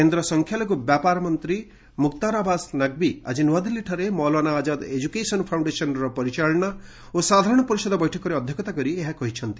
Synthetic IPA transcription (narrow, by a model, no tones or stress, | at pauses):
kend̪ɾɔsɔŋkʰjalɔkubjapaɾɔmɔnt̪ɾi | mukt̪aɾabasnaɡ̚bia̰d͡ʒinuad̪iliʈʰɔɾemɔlwanaːd͡ʒad̪ed͡ʒukesɔnpʰawɳɖesɔnɾɔpɔɾit͡ʃaɭɔna | osad̪ʱaɾɔɽ̃ɔpɔɾisɔd̪ɔbɔjʈʰɔkɔɾeɔd̪ʱjɔkʰɔt̪akɔɾieɦakɔɦit͡ʃʰɔnt̪i